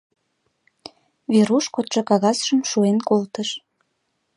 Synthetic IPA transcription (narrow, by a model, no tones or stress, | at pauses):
βeɾuʃkot̪ʃɤkɑɣɑsʒəmʃuenkolt̪əʃ